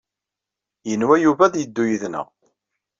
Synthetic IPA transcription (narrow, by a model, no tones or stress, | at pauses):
jənwæjuvæðjəd̪ːujəðnə̰ʁ